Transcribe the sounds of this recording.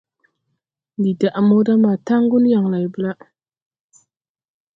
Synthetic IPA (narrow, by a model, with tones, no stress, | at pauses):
ndi˨da˨ʔmo˦da˦ma˨ta˦ŋ˦ɡu˦n˦ja˨ŋla˨jbə˦la˦